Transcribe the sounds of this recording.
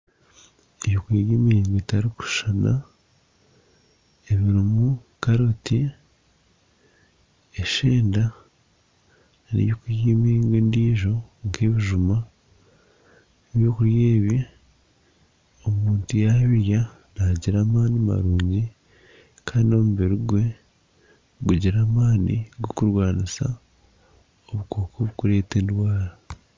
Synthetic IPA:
eβjokwiːɡeːmiɾiːŋɡetaɾiku̥ʃana̰ | eβiɾumu | kaɾoti | eʃe̞ːnda | nḛβjoːkujeːmiɾiːŋɡeːndiːʒo̞ŋkʰe̞ːβiʒuma | neβjo̞ːkuɾjeːβi | o̞muːntujaβija | naɟiɾaːmaːnima̰ɾuːɲɟi | kʰaːnio̞muβeɾuɡwe̞ | ɡuɟiɾaːmaːnḭɡwokuɾwaːnisa̰ | oβuko̞ːkʰoβukuɾe̞ːteːndwaːɾa

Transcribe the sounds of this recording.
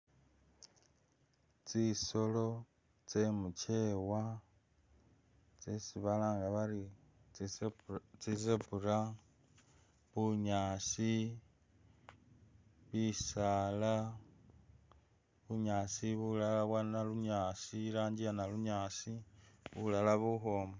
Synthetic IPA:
t͡siso̞lo̞ | t͡semucʰewa | t͡sesiβalaːŋɡaβaɾi | t͡sisepuɾa | βuɲaːsi | βisala | βuɲaːsiβulalaβwanaluɲaːsiɾaːɲd͡ʒijanaluɲaːsiβulalaβuɦoːma

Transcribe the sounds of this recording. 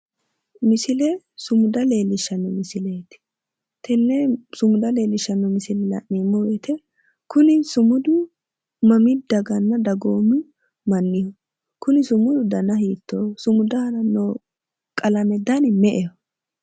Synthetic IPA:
mɪsɪlɛ | sʊmʊd̪ɐle̞ːlːɪʃːɐnːɔmɪsɪlet̪ɪ̥ | t̪ɛnːɛsʊmʊd̪ɐleːlːɪʃːɐnːɔmɪsɪlɛlɐ̰ʔːiːmːɔwɛt̪ʰɛ | kʊnɪsʊmʊd̪ʊ | mɐmɪd̪ɐɡɐnːɐd̪ɐɡoːmɪ | mɐnːɪjɔ | kʊnɪsʊmʊd̪ʊd̪ɐnɐhiːt̪ːoːsʊmʊd̪ɐhɐnɐnːo | kʼɐlɐmɛd̪ɐnɪmɛʔɛjɔ

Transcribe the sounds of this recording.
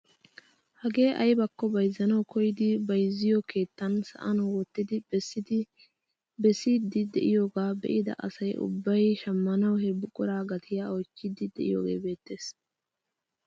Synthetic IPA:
hɐɡe̞ːʔɐjbɐkːɔbɐjzːɐnɐwkʰɔjɪd̪ɪbɐjzːɪjɔkʰe̞ːt̪ːɐnsɐ̰ʔɐnwɔt̪ːɪd̪ɪbɛsːɪd̪ɪ | bɛsiːd̪ɪd̪ɛʔɪjo̞ːɡaːbɛ̰ʔɪd̪ɐ̰ʔɐ̰sɐjʔʊ̰bːɐjʃɐmːɐnɐwhɛbʊkʼʊɾaːɡɐt̪ʰɪjaːɔjt͡ʃːɪd̪ɪd̪ɛʔɪ̰jo̞̰ːɡe̞̰ːbe̞ːt̪ːe̞ːs

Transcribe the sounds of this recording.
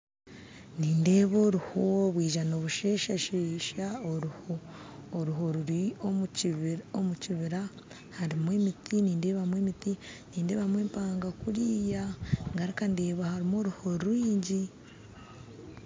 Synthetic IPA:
niːnde̞ːβo̞ːɾuhoβwiːʒano̞ːβuʃe̞ːʃaʃeːʃao | ɾuɦo̞ɾuɾio | omuciβiɾa | haɾimweːmitʰiniːnde̞ːβamweːmitiniːnde̞ːβamwe̞ːmpaːŋɡakuɾiːjaŋɡaɾikandeːβahaɾimo̞ːɾuho̞ɾuɾwiːɲɟi

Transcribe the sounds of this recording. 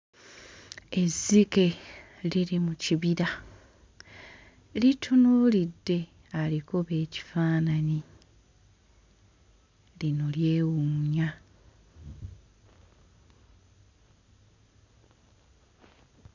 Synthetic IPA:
e̞zːike̞ | liɾimuciβiɾa | litʰunulidːe̞ | alikoβe̞ːci̥faːnani | lino̞lje̞ːwuɲa

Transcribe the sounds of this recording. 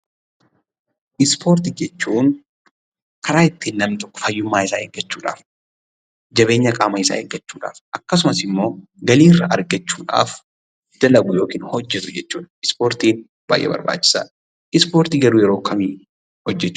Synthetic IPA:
ʔɪspʰo̞ːɾt̪ɪd͡ʒɛt͡ʃːuːn | kʰɐɾaːɪt̪ːiːnːɐmnɪt̪ɔkːɔ̥fɐjːʊmːaːɪsaːeːɡɐt͡ʃːuːᶑa̰ːf | d͡ʒɐβe̞ːɲːɐkʼaːmɐɪsa̰ːeːɡɐt͡ʃːuːᶑa̰ːfʔɐkːɐs̬ʊmɐsɪmːo̞ː | ɡɐliːrːaʔɐɾɡɐt͡ʃːuːᶑa̰ːf | d̪̥ɐlɐɡʊjo̞ːkiːnhɔd͡ʒːɛt̪ʊd͡ʒɛt͡ʃːuːᶑɐɪspo̞ːɾt̪iːn | b̥a̰ːjʔːɛ̰bɐ̰ɾba̰ːt͡ʃːɪ̥sa̰ | ʔɪspo̞ːɾt̪iɡɐɾuːjɛɾo̞ːkɐmiː | hɔd͡ʒːɛt͡ʃː

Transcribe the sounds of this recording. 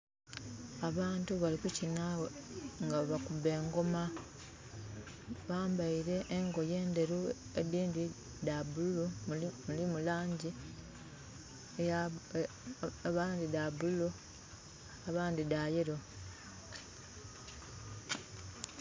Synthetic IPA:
aβaːntuβalikucinawŋɡaβakube̞ːŋɡo̞ma | βaːmbaiɾe̞ʔːŋɡo̞je̞ːnde̞ɾu | ediːndi | dabululumulimulaːɲɟi | e | aβaːndidabululu | aβaːndidaːjeɾo̞

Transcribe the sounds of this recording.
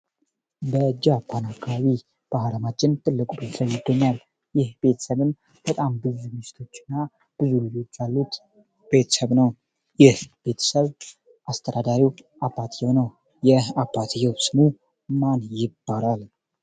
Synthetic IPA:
bəd͡ʒːapʰanakʰːaaβi | b̥aɦɾəmat͡ʃʼːɪnt̪ʼɨlːɨkʼube̞t̪ʰəsəβjɪd̪ːəɲːal | jɪhb̥e̞t̪ʰə̥səβɨn | b̥ət̪ʼambɨzumɨʃɪ̥t̪ʰo̞t͡ʃːɪnːa | b̥ɨzulɨd͡ʒo̞t͡ʃːalːut̪ | be̞t̪ʰə̥səβnəw | jɪhb̥e̞t̪ʰə̥səβ | ʔast̪ʰəd̪ad̪aɾiwʔabːat̪ʰjɛwnəw | jɛabːat̪ʰjɛwsɨmu | manjɪbːaɾal

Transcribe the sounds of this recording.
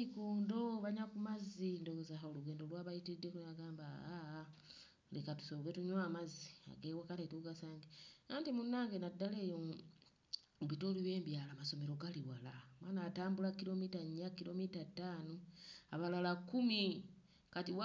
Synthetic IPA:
ikoːndo̞βaɲakumazindoɡozaɦaoluɡeːndolwaːβajitidekaɡaːmbaa | lekatu̥sowetuɲwaːmazi̥a̰ɡewakatetuɡasaːŋɡeaːntimunːaːŋɡe̞nadːale̞ːjo | βitoliβeːmbjaːlamaso̞meɾo̞ɡaliwalamwaːnaːtaːmbulakilo̞mitaɲːakilomitatːaːnoaβalalakumi | katiw

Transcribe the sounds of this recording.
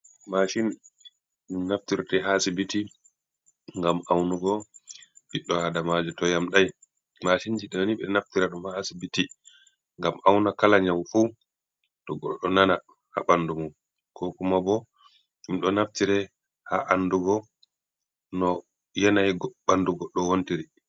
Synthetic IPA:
maʃin | minaftiɾtɛɦasibiti | ŋɡamawnuɡɔ | ɓiɗːɔhadamad͡ʒutɔjamɗaj | maʃind͡ʒiɗɛɔniɓɛnaftiɾaɗɔmhasibiti | ŋɡamʔawnakalaɲawfu | tɔɡɔɗɔnana | ha̰ɓandumum | kʰɔkumabɔ | imɗɔnaftiɾɛ | ha̰ʔanːduɡɔ | nɔ | jɛnajɡɓanduɡɔɗːɔwontiɾi

